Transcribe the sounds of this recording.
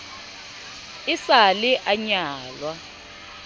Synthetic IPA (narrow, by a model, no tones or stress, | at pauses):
isaliʔaɲaːlwa